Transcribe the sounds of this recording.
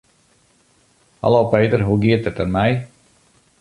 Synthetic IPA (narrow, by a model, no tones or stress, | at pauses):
ha̰lowpejtərɦuɡiətətənmɛj